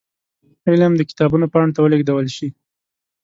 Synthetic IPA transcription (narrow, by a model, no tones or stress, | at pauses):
elamd̪əkɪ̥t̪ɑbunopɑɳt̪awəleɡd̪awəlʃi